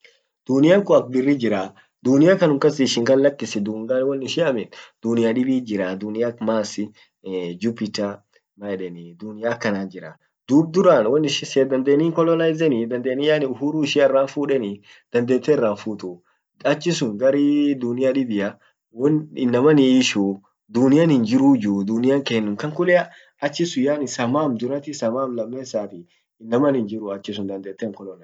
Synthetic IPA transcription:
d̪̥unɪjaŋkʊɐk̚bɪrːid͡ʒɪɾaː | d̪ʊnɪjakɐnʊŋkɐsɪːʃɪŋɡɐlːɐkːɪsɛd̪uːŋɡanwɐnːɪʃɪɐmɛnd̪̥ʊnɪjaᶑɪbiːd͡ʒɪɾaːd̪ʊnɪjakmaːsɪ | d͡ʒʊpːɪt͡ʃːa | mɐɛᶑɛnid̪ʊnɪjaːkːɐnaːd͡ʒɪɾa | d̪uːb̚d̪ʊɾaːnwɐnːɪʃɪsɛd̪ɐnd̪eːniːŋkɔlɔnajzɛnid̪ɐnd̪eːnɪjanɪʊhuɾuːɪʃɪɛrːaːnfuːᶑɛni | d̪̥ɐnd̪eːt̪ːeːɪrːaːnfuːt̪ʊ | ɐt͡ʃːɪsʊŋɡɐɾid̪ʊnɪjaᶑɪbɪjɐ | wɔnɪnːɐmɐnɪːʃuː | d̪ʊnɪjanhɪnd͡ʒɪɾud͡ʒud̪ʊnɪjaŋkeːnːʊmkɐŋkʊlɛɐ | ɐt͡ʃːɪsʊjaːnɪsɐmaːmd̪ʊɾɐt̪ɪsɐmaːmlɐmːeːsaːt̪ɪ | ɪnːɐmɐnɪnd͡ʒɪɾʊɐt͡ʃːɪsʊnd̪ɐnd̪eːt̪ːeːŋkɔlɔnɐ

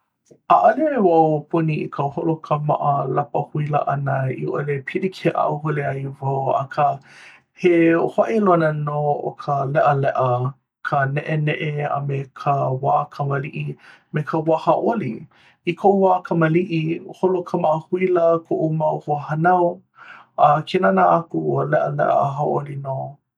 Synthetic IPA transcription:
ʔaʔaleewawpʰuniikʰəwholokʰəma̰ʔəlapəhuilə̰ʔanəḭʔolepʰilikʰeʔa̰ʔuɦoleajvawɐ̰kʰə | hehoaʔelonənoo̰kʰəlɛʔəlɛʔə | kʰənɛʔenɛʔea̰mekʰəwaːkʰɐməliʔi | mekʰəwahaʔoli | ikʰoʔuwaːkʰɐməliʔiholokʰəmaʔəhuiləkʰoʔumawhuəhɐnaw | ɐkʰenanaakuəlɛʔəlɛ̰ʔə̰ɦaʔolino

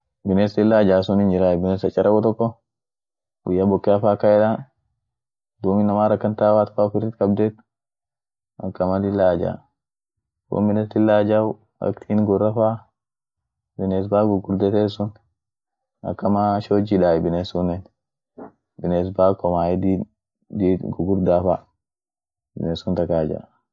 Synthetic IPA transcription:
bɪneːst̪ɪlːaːd͡ʒaːsʊnɪnd͡ʒɪɾaːjbɪnesɐt͡ʃʼːɐɾɐkɔt̪ɔkːɔ | wʊjːabɔkːɛɐfaːkːɐɛᶑan | d̪uːmɪnːɐmaːɾɐkːɐnt̪aːwaːt̪faːfɪɾɪt̪kɐbd̪eːt̪ | ɐkːɐmɐlɪlːaːd͡ʒa̰ː | wo̰mbɪnɛst̪ɪlːaːd͡ʒaw | a̰kt̪ʰinɡɔɾːafa | bines̬baɡuɡuɾd̪ɛt̪esun | a̰kːamaʃod͡ʒiɗajbinesunɛn | bines̬bakɔmajɛdi | diɡɔɡuɾd̪afa | bḭnesunt̪akaːd͡ʒa̰

